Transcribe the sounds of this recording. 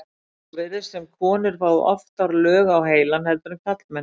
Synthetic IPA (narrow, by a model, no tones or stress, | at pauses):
vɪðɪsɛmkʰɔːnʏɾ̥faːwðʏ̰ʔɔ̰ft̪aɾlœːɣawɦeːjlanhɛlt̪ʏɾʏmkʰat̪lmɛn